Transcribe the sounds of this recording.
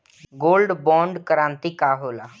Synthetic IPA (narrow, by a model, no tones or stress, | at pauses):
ɡoːlɖbɔ̃ːɳɖkəɾãːnt̪iːkaːɦoːlaː